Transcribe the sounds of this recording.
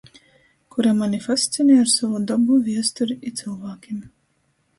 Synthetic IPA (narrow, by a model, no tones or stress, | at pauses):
kuɾamanʲifasʲt̪sinɛːjaɾsavɔd̪abuvʲiɛst̪ɔɾiit̪sɨlˠvaːkʲim